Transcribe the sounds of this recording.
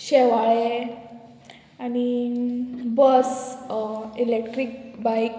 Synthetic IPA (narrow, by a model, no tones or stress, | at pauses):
ɕɛʋaɭe | ani | bəs | ilekʈɾik̚bajk